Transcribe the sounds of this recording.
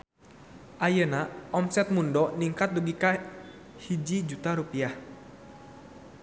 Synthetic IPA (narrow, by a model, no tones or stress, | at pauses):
ʔajənaʔɔmsɛt̪̚mundɔniŋkat̪̚duɡika | hid͡ʒid͡ʒut̪aɾupiah